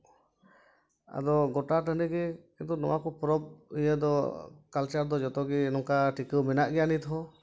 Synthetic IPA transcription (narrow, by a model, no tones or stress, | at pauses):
a̰d̪ɔɡɔʈaʈəniɡɛkint̪̬unɔwakɔpɾɔb̚ijəd̪ɔkalt͡ʃaɾd̪ɔd͡ʒɔt̪ɔɡinɔŋkaʈikəwmɛnaʔɡɛjanit̪ɦɔ